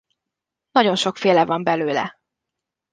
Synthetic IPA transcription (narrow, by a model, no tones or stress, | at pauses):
nɒɟo̞nʃo̞kfeːlɛvɒmbɛløːlɛ̰